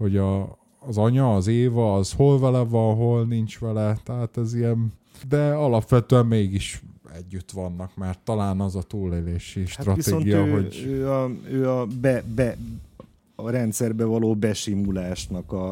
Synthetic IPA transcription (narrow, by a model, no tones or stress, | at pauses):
ho̞ɟɒː | zɒɲɒːzeːvɒːz̥ho̞lvɛlɛvɒnɦo̞lnint͡ʃʋɛlɛt̪ɛɦaːt̪ɛzijɛn | d̪ɛɒlɒpʋɛt̪øɛmmeːɡiʃɛ̰ɟːyt̪ʋɒnːɒkmɛrt̪ːɒlaːnɒzɒt̪uːleleːʃiʃtat̪rɒieːonɡijɒøɦo̞ɟøːɒøːɒbɛbɛ | ɾɛnt̪sɛrbɛvɒloːbɛʃimulaːʃnɒkɒ